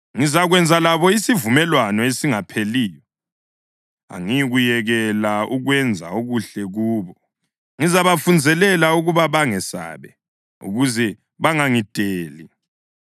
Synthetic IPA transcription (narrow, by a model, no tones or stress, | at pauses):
ŋizaɣwɛnd͡zʱalaβɔisivumɛlwanɔesiŋapʰeliːjɔ | a̰ŋijiɣujɛɣɛlauɣwɛnd͡zʱa̰uɣuɬɛɣuːβɔ | ŋizaβafund͡zʱɛlɛlauɣuβaβaŋɛsa̰ːβɛ | ṵɣuzɛ | βaŋaŋitʼeːli